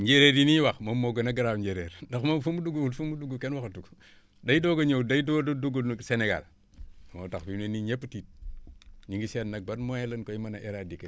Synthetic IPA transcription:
ɲɟeɾeːɾiniwaxmomːoɡɐnaɡaɾawɲɟeɾeɾdaxmomfumuduɡulfumuduɡukenwaxatuk | dajdoɡɐɲowdajdododuɡulnseneɡa̰l | mo̰taxbineniɲepːtit̚ | ɲiŋɡisetnak̚badmojelənkojimanaʔeɾadike

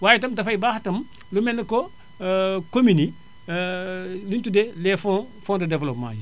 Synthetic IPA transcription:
waːjɛtɐmtɐfɐjibaːxtɐm | lumɛndɐko | komini | lintudɛlɛːfɔ | fɔndɐdɛvlɔpma̰ːji

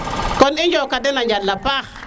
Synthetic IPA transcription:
kɔnɪɲd͡ʒɔkadɛnaɲd͡ʒalːapax

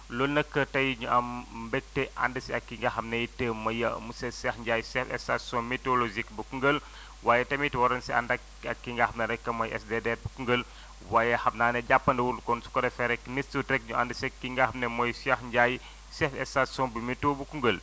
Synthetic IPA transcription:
lɔlnɐkːətɐjɲuʔɐmbɛk̚tɛʔa̰ndɐsiɐkːiŋɡaxɐmnɐjtəːmɐjɐ̰musɛsɛxɲɟaːjsɛfɛ̰stasɔ̃nmitolozikbɐkuŋɡəl | waːjɛtɐmitwɐɾɐnsiɐ̰ndɐk | ɐkːiŋɡahɐmnɐɾɛkːɐmɔjʔɛ̰sdedɛrbukuŋɡəl | waːjɛhɐmnaːnɛɟapːɐndɐwuɾdukɔnsu̥kɔdɐfɛɾɛkːnissutɾɛk̚ɲuʔa̰ndəsɛkːiŋɡaːhɐmnɛmɔjsjɛxɲɟaj | sɛfɛstasɔ̃nbimitobukuŋɡəl

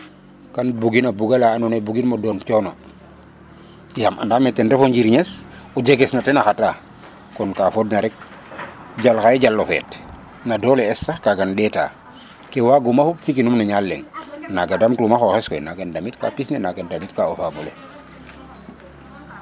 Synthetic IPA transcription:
kanbuɡinabuɡalaːnunebuɡinmodɔːnt͡ʃɔno | jamʔa̰ndametːendefoɲɟiɾɲesuɟeɡesnatenaxata | kɔnkafodnaɾɛk̚ | ɟalxaeɟalːofɛ̰ːt | nadoːleɛsːakaɡandɛta̰ː | kewaɡumafufikinumnaɲalːeŋnaɡadamtumaxoxeskɔɛnakendamitka̰pisnenakendamitkaofabule

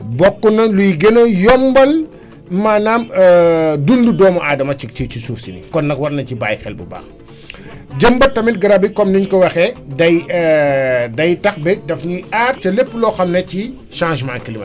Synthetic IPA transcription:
bɔkːunɐlujɡenɐjɔmbɐl | manaːmədundudɔːmɐʔaːdɐmɐt͡ʃit͡ʃit͡ʃisuːɾsinḭkɔnːɐkwɐɾnɐciba̰ːjxɛ̰lbṵba̰ːŋ | ɟɐmbɐtɐmit̚ɡɐɾabikɔmniɲkɔwɐxɛdɐj | dɐjtɐxbɛdɐfɲuaːrt͡ʃɐlepːlɔxɐmnɐci | ʃãːʒmã̰ːŋkilimɐ̰n

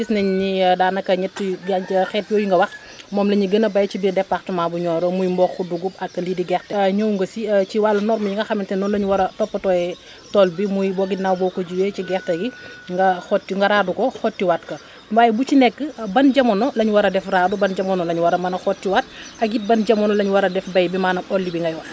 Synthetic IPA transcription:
disnɐɲɲidaːnɐkːɐɲɛtːiɡxɛːt̚jɔːjiŋɡɐwɐx | mɔːmlɐɲiɡənɐbɐjt͡ʃibirdɛpːaxtumaːbuɲɔːɾɔmujmbɔxuduɡup̚ɐkːɐlidiɡɛxtɐɲowŋɡɐsiciwalːɐnɔɾmɐɲiŋɡɐxɐmintɛnɔːnlɐɲuwɐɾɐtɔpːɐtɔːɛ | tɔlbimujbɔɡinawbɔːkɔɟuweciɡɛxtɐɡiŋɡɐxɔtːiŋɡɐɾaːdukɔxɔtːiwatkɐ | mbajbut͡ʃinɛkːəbɐnɟɐmɔnɔlɐɲuwɐɾɐdɛfradubɐnɟɐmɔnːɔlɐɲuwɐɾɐmɐnɐxɔtːiwat̚ɐk̚ɡit̚bɐnɟɐmɔnɔlɐɲuwɐɾɐdɛfbɐjbimaːnɐʔɔlːibiŋɡɐjwɐx

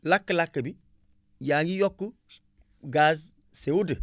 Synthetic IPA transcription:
lakːlakːəbi | jaŋijokːu | ɡaz | seudə

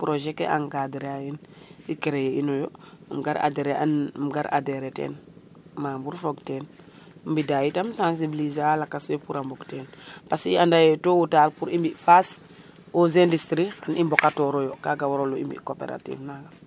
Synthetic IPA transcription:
pɾoʒekḛa̰ŋɡadɾajinikeɾejeinojoamɡa̰ɾa̰deɾeanmɡaɾʔa̰deɾetḛːn | maːmbuɾfoɡteːn | mbidajitamsãns̬ibilizalakːasopuɾambɔkteːnpasḭandajetowutaːlpuɾimbifas | ozendistɾianimbokatoɾojokaɡawoɾoluḭmbḭkopḛɾa̰tḭːvnaɡa

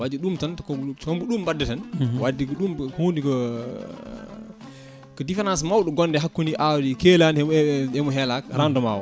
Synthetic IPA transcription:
wad͡ʒiɗumtantkɔɡt͡ʃɔmɡuɗumbadːɛtɛnwadːikɔɗumhondikɔ | kɔdifɛɾansmawɗɔɡɔndɛɦakːuniʔawdikelanɛɛmɔɦɛlakɾandɔma̰wa̰

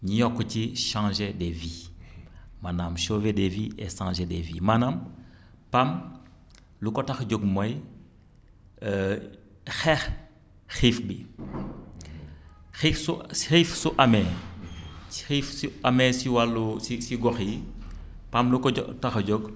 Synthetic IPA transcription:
ɲijɔkːciʃãːʒedɛvi | manamʃoːvedeviːɛʃãːʒedɛvḭːmanam | pam | lukɔtɐxɟɔɡ̚mɔj | xɛx | xifbi | xifsuxifsuʔɐmɛː | i̥xifsiɐmɛsiwalːusisiɡɔxji | pamlukɔ̰taxɟɔɡ

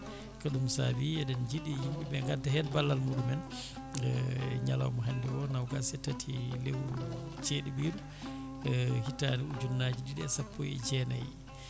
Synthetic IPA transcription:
kaɗumsa̰biɛdɛnd͡ʒiɗihimɓɛbɛŋɡatːahɛnbalːalmuɗumɛn | ɲa̰la̰wmɔɦandiwɔnawɡasɛtatʰilewt͡ʃeːɗibiɾu | hitaniud͡ʒunːad͡ʒididɛsapʰːɔjɛ̰d͡ʒɛna̰ji

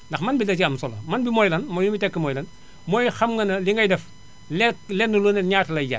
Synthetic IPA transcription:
ndɐxmɐnbidɐt͡ʃiɐmsɔlɐ̰mɐnbimojlɐnmɔjumbitɛkːəmɔjlɐn | mojxɐmŋɡɐnɐliŋɡɐjdɛf | lelɛnːulonɛɲaːtlɐjɟa̰

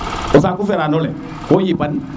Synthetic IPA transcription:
os̬akufɛɾanolɛ | kojipan

